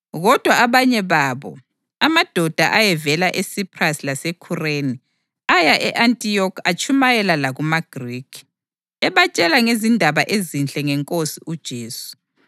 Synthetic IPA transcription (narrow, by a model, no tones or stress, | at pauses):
ɣɔd̥ʱwaaβaɲɛβaːβɔ̰ | amad̥ʱɔd̥ʱa̰ʔajɛvɛlaʔesipʰʼrasilasɛkʰureni | ajaʔɛʔantʼijɔkʰat͡ʃʼumajɛlalaɣumaɡ̥ʱriːkʰi̥ | ɛβat͡ʃʼɛlaŋezindʱaβaʔezint͡ɬʼɛŋɛŋkʼosiʔud̥ʒ̥ʱeːsu̥